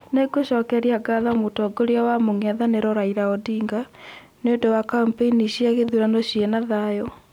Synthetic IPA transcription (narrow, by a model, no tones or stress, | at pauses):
neɡoɕɔkɛɾiaɡaðamotɔɡoɾeawamoŋaðaneɾɔɾaiɾaɔdiːŋɡa | neondowakampeiniɕiaɣeðuɾanɔɕienaðajɔ